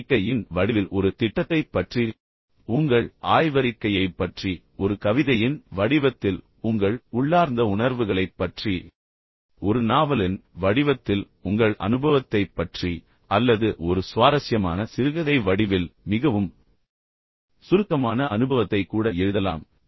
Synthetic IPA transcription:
kːɐjɪnʋɐɽɪʋɪlʔɔɾɯt̪ɪʈːɐt̪ːɐɪpːɐʈri | ʊŋɡɐɭʔaːjʋɐɾɪkːɐjɐɪpːɐʈri | ɔɾɯkɐʋɪðɐjɪnʋɐɽɪʋɐt̪ːɪl | ʊŋɡɐɭʊɭːaːɾnd̪ɐʊnɐɾʋɯɣɐɭɐɪpːɐʈri | ɔɾɯnaːʋɐlɪnʋɐɽɪʋɐt̪ːɪl | ʊŋɡɐɭʔɐ̰nɯbɐʋɐt̪ːɐɪpːɐʈri | ɐlːɐðɯʔɔɾɯsʊʋaːɾɐsjɐma̰ːnɐsɪɾɯɣɐðɐɪʋɐɽɪʋɪlmɪɣɐʋɯm | sʊɾɯkːɐmaːnɐʔɐnɯbɐʋɐt̪ːɐɪkːuːɽɐɛɻɯðɐla̰ːm

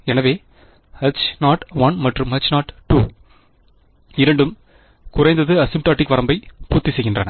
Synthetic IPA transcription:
ɛnɐʋeː | ɐt͡ʃnaːʈʋɐnmɐʈrɯmɐt͡ʃnaːʈʈːuː | ɪɾɐɳɖɯm | kʊɾɐɪnd̪ɐðɯɐsɪmʈaːʈːɪkʋɐɾɐmbɐɪpuːt̪ːisɛjɣɪndrɐnɐ

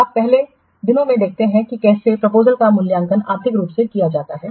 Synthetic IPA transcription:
aːppɛɦle | d̪ɪnõmẽd̪eːk̚ʰt̪eɦɛ̃kikɛːsepɾɐpoːzəlkamʊljãːŋkəna̰ːɾt̪ʰɪkɾuːpsekijad͡ʒaːt̪aɦɛː

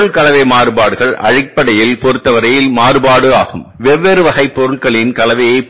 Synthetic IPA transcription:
ɯɭkɐlɐʋɐɪmaːɾɯbaːɽɯɣɐɭʔɐ̰ɻɪk̚pːɐɽɐjɪlpɔɾɯt̪ːɐʋɐɾɐjɪlmaːrɯbaːɽɯaːɣɯmʋɛʋːɛɾɯʋɐɣɐɪpːɔɾɯɭkɐɭɪnkɐlɐʋɐjɐɪ

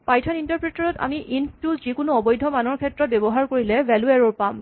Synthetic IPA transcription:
pajtʰɔnintaɹpɹetɔɹɔta̰miʔintʊzikʊnʊɔbɔjdʱɔmanɔɹkʰɛtɹɔt̚bebɔɦaɹkoɹilɛvʱɛluɛɹɔɹpam

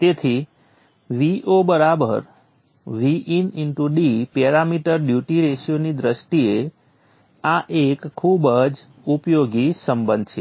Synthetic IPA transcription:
t̪et̪ʰi | ʋiʔobəɾabə̰ɾ | ʋiʔininʈuɖipeɾamiʈəɾɖjuʈiɾeʃjonid̪ɾəʃʈie | aʔekkʰːubəd͡ʒ | upjoɡisəmbənd̪̚t͡ʃʰe

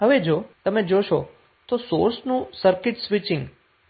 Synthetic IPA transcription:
ɦəʋed͡ʒot̪əmed͡ʒoʃo | t̪osoɾsnũsəɾkɪʈsʋɪt͡ʃɪ̃ŋɡ

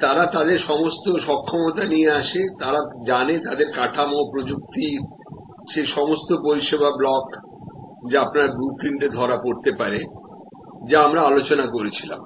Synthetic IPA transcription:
t̪aɾat̪ad̪eɾʃɔmost̪oʃɔkʰːomot̪anijeaʃet̪aɾad͡ʑanet̪ad̪eɾkaʈʰamopɾod͡ʑuk̚t̪i | ʃeʃɔmost̪opoɾiʃebʱablɔk | d͡ʑaapnaɾbɾukɾinʈed̪ʱɔɾapoɾt̪epaɾe | d͡ʑaamɾaalot͡ɕonakoɾet͡ɕʰila̰m

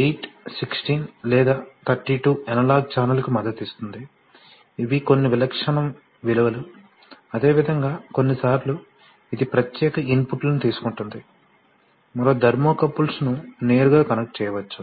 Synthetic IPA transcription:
iːʈsiksʈiːnlɛːd̪aːt̪ʰɐɾʈiːʈuːɛnɐlaːɡ̚t͡ʃaːɾnɐlkumɐd̪ːɐt̪ist̪und̪iː | ʋiko̞nːiʋilɐkʂɐɳɐm | ʋiluʋɐlu | ɐd̪e̞ːʋid̪ʱɐŋɡaːko̞nːisaːɾlu | id̪ipɾɐt̪jɛːkɐinpuʈlɐnut̪iːsu̥kuɳʈund̪i | mɐɾoːd̪ʱɐɾmoːkɐpːulsnune̞ːɾuɡaːkɐnɐkʈ̚t͡ʃɛːjɐʋɐt͡ʃːu

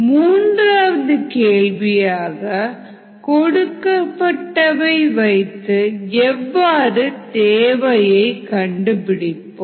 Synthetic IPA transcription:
muːndraːʋɐðɯkeːɭʋɪjaːɣɐ | kɔɽɯkːɐpːɐʈːɐʋɐɪʋɐɪt̪ːɯɛʋːaːrɯt̪eːʋɐjɐɪkɐɳɖɯpɪɽɪpːo

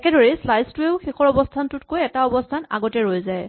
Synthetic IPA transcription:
ɛkɛdɔɹislajztʊeʊxixɔɹɔbɔstʰantʊtkojɛtaɔbɔstʰana̰ɡɔtɛɹojzaj

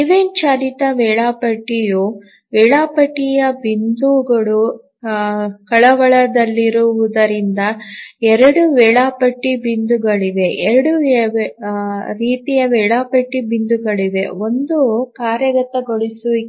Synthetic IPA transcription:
iʋent͡ʃaːɾit̪ɐʋɛːɭaːpɐʈːiju | ʋɛːɭaːpɐʈːijɐbind̪uːɡɐɭu | kɐɭɐʋɐɭɐd̪ɐlːiɾuʋud̪ɐɾind̪ɐɛɾɐɽuʋɛːɭaːpɐʈːibind̪uɡɐɭiʋe̞ʔɛɾɐɽu | ɾiːt̪ijɐʋɛːɭaːpɐʈːibind̪uɡɐɭiʋe̞̰o̞nd̪ukaːɾjɐɡɐt̪ːɐɡoɭisuʋi

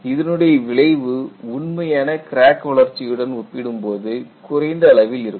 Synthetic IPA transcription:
ɪðɐnɯɽɐjɐʋɪɭɐɪʋɯʊɳmɐjaːnɐkɪɾaːkːʋɐɭɐɾt͡ʃːɪjɯɽɐnɔpːɪɽɯmpoːðɯkʊɾɐɪnd̪ɐːɭɐʋɪlɪɾɯkː

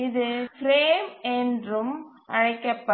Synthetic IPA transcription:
ɪðɯfɾeːmɛndrɯm | ʔɐɻɐɪkːɐpːɐ

